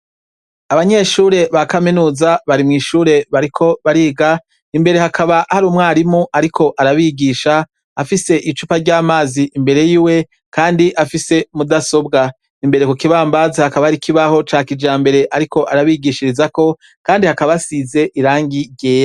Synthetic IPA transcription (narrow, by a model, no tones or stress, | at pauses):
aβaɲe̞ʃuːɾe̞βakaminuːzaβaɾimŋiːʃuːɾe̞βaɾikʰo̞βaɾiːɡa | imbe̞ɾe̞hakʰaβahaɾuːmŋaːɾimuʔaɾikʰo̞ʔaɾaβiɡiʃaː | fise̞ʔit͡ʃupaɾɟaːmaːziʔimbe̞ɾe̞jiːwe̞ | kaːndiʔafise̞mudaso̞bɡa | imbe̞ɾe̞kukiβaːmbazahakaβahaɾikʰiβaho̞t͡ʃaːkid͡ʒaːmbe̞ɾe̞ʔaɾiko̞ʔaɾaβiɡiʃiɾizako̞ | kaːndihakaβasize̞ʔiɾaːŋɡiɟeːja